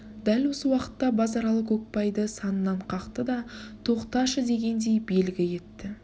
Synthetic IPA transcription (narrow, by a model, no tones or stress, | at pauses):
d̪̥ælwo̞səwɑqə̥t̪ːɑbɑzɑɾɑlˠəqɵk̚pɑjd̪əsɑnənːɑɴqʰɑqt̪əd̪ɑt̪ʰo̞qt̪ɑʃəd̪e̞ɡʲe̞nd̪e̞jbe̞lɡʲɪje̞t̪ːɪ